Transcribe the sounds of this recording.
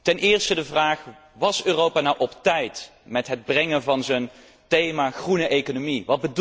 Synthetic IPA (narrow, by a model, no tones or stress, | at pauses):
tɛnɪːɹstədəvraːχ | ʋɑsøːrowpaːnɑwʔɔptɛjt | mɛtɦəd̚brɛŋənvɑnzən | tejmaːχrunəʔejkonomiʋɑd̚bəd